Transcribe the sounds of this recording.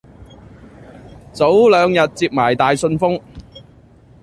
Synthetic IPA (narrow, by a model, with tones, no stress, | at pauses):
t͡so˨˥wlœː˨˧ŋjɐ˨t̚t͡siː˧p̚maː˨˩jt̪aː˨jsɵ˧nfʊ˥ŋ